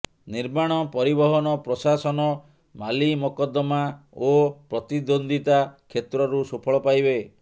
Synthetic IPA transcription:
niɾmaɽ̃ɔpɔɾibɔɦɔnɔpɾɔsasɔnɔ | malimɔkɔd̪ɔmaopɾɔt̪id̪ond̪it̪akʰet̪ɾɔɾusupʰɔɭɔpajbe

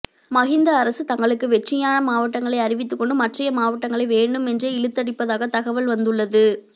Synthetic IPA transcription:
mɐɣɪnd̪ɐːɾɐsɯt̪ɐŋɡɐɭɯkːɯʋɛʈrɪjaːnɐmaːʋɐʈːɐŋɡɐɭɐɪɐɾɪʋɪt̪̬ːɯkːɔɳɖɯmɐʈrɐjɐmaːʋɐʈːɐŋɡɐɭɐɪʋeːɳɖɯmɛndreɪɻɯt̪ːɐɽɪpːɐðaːɣɐt̪ɐɣɐʋɐlʋɐnd̪ɯɭːɐðɯ

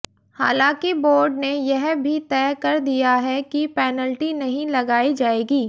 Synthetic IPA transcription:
haːlãːkiboːɾɖnejɛɦbʱit̪ɛːkɐɾd̪ijaɦɛkipɛːnəlʈinɐɦĩlɐɡaːid͡ʒaːeːɡiː

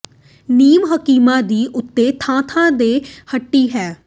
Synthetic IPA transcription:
niːmɦəkiːmãːd̪iːʔʊt̪ːeːt̪ʰãːt̪ʰãːd̪eːhəʈːiːɦɛː

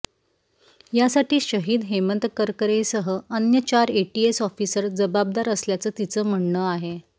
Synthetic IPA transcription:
jasaʈiːɕəɦiːd̪ɦemənt̪əkəɾkəɾesəɦəənjət͡ɕaɾeʈiesɔfiːsəɾd͡zəbab̚d̪aɾəsljat͡səːt̪it͡səːm̤əɳɳəaɦe

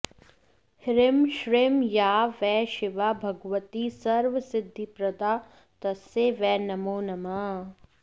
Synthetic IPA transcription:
hɪɾɪmʃɾeːmjaːʋɛːʃɪʋaːbʱɐɡʋət̪isɐɾʋəsɪd̪ʱːipɾɐd̪aː | t̪ɐseʋɛːnɐmoːnɐmaː

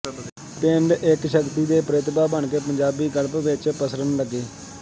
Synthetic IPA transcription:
pɪɳɖɪkʃəkt̪iːd̪eːpɾet̪baːbəɳkeːpəɲd͡ʒaːbiːɡələpʋɪt͡ʃpəsɾənləɡeː

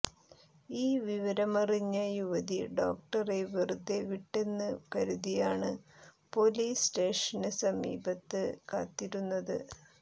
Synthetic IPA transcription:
iːʋiʋɐɾɐmɐriɲːɐjuʋɐðiɖo̞ːk̚ʈɐreʋirud̪ːeʋiʈːe̞nːɨkɐɾuðijaːɳɨ | po̞ːliːsʈe̞ːʂɐnɨsɐmḭːbɐt̪ːɨka̰ːt̪ːiɾunːɐðɨ̰

